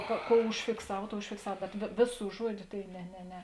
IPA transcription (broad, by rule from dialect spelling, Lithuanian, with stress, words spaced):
koː ˈkoːʊ ʊʃʲfʲɪkˈsɐw ˈtoːʊ ʊʃʲfʲɪkˈsɐw bʲɛt ʋʲeː ˈʋʲeːˌsuː ˈʒuɔdʲʊ tɐɪ nʲɛ nʲɛ ˈnʲɛ